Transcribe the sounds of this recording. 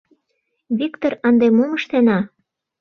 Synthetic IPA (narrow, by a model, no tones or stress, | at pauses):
βikt̪orɑnd̪emoməʃt̪enɑ